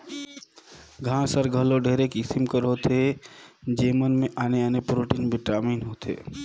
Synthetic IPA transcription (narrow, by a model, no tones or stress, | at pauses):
ɡʱãsəɾɡʱəloɖʱeːɾekɪsɪmkəɾot̪ʰe | d͡ʒeːmənmẽʔaːneənepɾoːʈiːnbʱɪʈaːmiːnɦoːt̪ʰḛ